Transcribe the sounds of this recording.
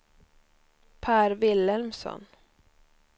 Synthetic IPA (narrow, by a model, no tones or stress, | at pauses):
pʰæːɾvɪlːɛlmsɔ̰n